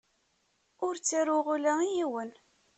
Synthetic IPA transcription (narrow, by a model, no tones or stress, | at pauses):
ʊɾt͡sːiɾʊʁulæijiwən